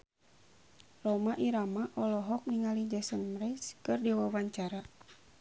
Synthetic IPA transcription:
rɔmaʔiɾamaʔɔlɔɦɔk̚niŋalid͡ʒasənmɾɛskɨrdɛwawaɲt͡ʃaɾa

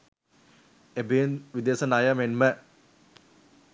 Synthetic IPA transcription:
ebinʋid̪esɐnajamenmə

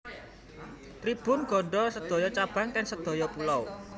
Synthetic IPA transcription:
t̪ɾib̥ʊ̤nɡ̥ɔ̤ɖɔsəd̪̥ɔ̤jɔt͡ʃab̥ä̤ŋkɛŋsəd̪̥ɔ̤jɔpulɔw

